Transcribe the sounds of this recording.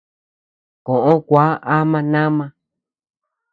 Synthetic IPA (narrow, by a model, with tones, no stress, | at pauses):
kõ˨ʔõ˦kʷa˦a˦mã˧nã˦mã˧